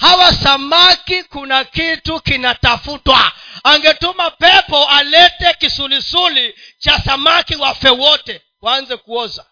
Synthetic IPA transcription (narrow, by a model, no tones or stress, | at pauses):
hawasamakikunakitukinatafutwa̰aŋɡɛtumapɛpɔalɛtɛkisulisulit͡ʃasamakiwafɛwɔtɛ | waanzɛkuɔza